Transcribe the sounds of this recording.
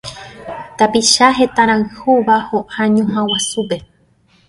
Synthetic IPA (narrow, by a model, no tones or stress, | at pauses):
t̪apiʃaɦe̞t̪ãɾ̃ãɨhuβahoʔaɲõɦãwasupe̞